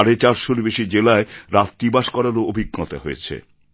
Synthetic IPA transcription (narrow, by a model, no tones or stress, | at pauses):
aɾet͡ɕaɾʃoɾbeʃid͡ʑelaeɾat̪ːibaʃkɔɾaɾoobʱiɡːɔt̪a̰ɦojḛt͡ɕʰḛ